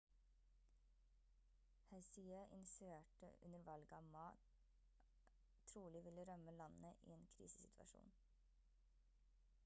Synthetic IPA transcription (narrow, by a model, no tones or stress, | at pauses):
hɛɪsiəʔɪ̰nɪsɪʋeːʈə̰ʔʉ̰nəɾʋɑlɡɑːʋmɑː | t̪ʰɾuːlɪʋɪləɾœməlɑnnəʔḭːeːnkʰɾḭːsə̥sɪt̪ʰʋɑ̰ʃṵːn